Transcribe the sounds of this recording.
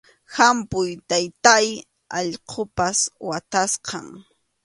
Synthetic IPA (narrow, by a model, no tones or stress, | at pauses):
hampʊjt̪ajt̪aj | ɑʎqʰopaswat̪asqʰɑŋ